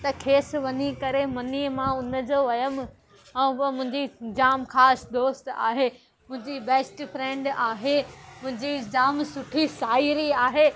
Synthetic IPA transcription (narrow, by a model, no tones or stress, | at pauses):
t̪ɐkʰeːsʋɐɲikɐɾemɐnimãʊnə̆d͡ʑoːʋɐjəm̆ | ɛ̃ːɐmʊ̃ɦɪ̃ɲd͡ʑid͡ʑaːmxaːsd̪oːst̪a̰ːɦe | mʊ̃ɦɪ̃ɲd͡ʑibɛːsʈpɾɛ̃ːɳɖaːɦemʊ̃ɦɪ̃ɲd͡ʑid͡ʑaːmsʊʈʰisaːiɾiaːɦeː